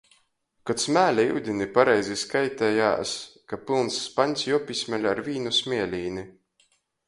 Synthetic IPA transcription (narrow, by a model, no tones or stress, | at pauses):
kɔt̪smʲæːlʲaḭwd̪ʲinipaɾɛjzʲiskajt̪ʲɛja̰ːskapilˠnsːpaɲʲsjuɔpʲisʲmʲælʲaɾvʲiːnusʲmʲiɛlʲiːni